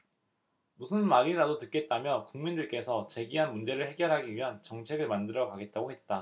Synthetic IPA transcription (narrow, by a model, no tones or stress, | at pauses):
musʰɯnmaɾiɾadotɯt̚k͈e̞t̚t͈amjʌkuŋmindɯɭk͈e̞sʰʌt͡ɕe̞ɡiɦanmund͡ʑe̞ɾɯɭhe̞ɡjʌɾɦaɡiɥiɦant͡ɕʌŋt͡ɕʰe̞ɡɯɭmandɯɾʌkaɡe̞t̚t͈aɡohe̞t̚t͈a